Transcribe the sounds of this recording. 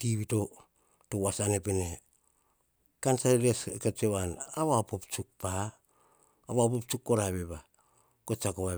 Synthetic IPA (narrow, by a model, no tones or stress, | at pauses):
tiβito | towasanepene | kansaɾeɾeskat͡ʃewanaβapopt͡ʃuk̚paː | βapop̚t͡ʃukːoɾaβeba | kot͡ʃakoβa